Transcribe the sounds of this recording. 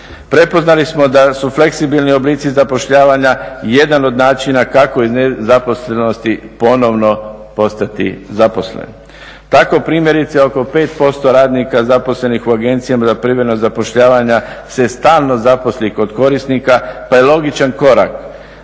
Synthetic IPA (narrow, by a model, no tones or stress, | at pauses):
pɾe̞po̞znalismo̞d̪asufle̞ksibilˠnio̞bliːt̪sizapo̞ʃʎaːʋaɲaje̞d̪ano̞d̪naːt͡ʃinakako̞iznezapo̞sleno̞st̪ipo̞no̞ʋno̞po̞st̪at̪ḭzapo̞slḛn | t̪ako̞pɾiːmje̞ɾit̪seo̞ko̞pe̞ːt̪po̞st̪o̞ɾaːd̪nikazapo̞sle̞nixuaɡe̞nt̪sijamazapɾiʋenozapo̞ʃʎaːʋaɲasest̪aːlˠno̞zapo̞sliko̞d̪ko̞ɾisnikapajelo̞ɡit͡ʃanko̞ɾa̰k